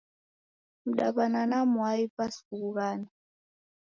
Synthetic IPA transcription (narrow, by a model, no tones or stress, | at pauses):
m̩ɗaβananamuaipaskukuɣaːna